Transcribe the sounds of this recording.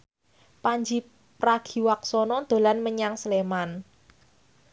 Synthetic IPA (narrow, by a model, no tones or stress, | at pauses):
paɲd͡ʒi | pɾaɡ̥i̤waksɔnɔd̪̥o̤lanməɲaŋsleman